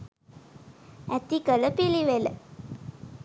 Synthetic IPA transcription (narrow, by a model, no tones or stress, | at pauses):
æt̪ikələpiliʋelə